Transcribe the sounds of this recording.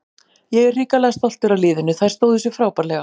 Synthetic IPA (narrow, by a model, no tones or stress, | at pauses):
jɛɣɛr̥riːkalɛɣast̪ɔl̥t̪ɪɾalɪːðʏnʏθaɾ̥st̪oːwðɪsjʏfɾaːwpaɾlɛɣa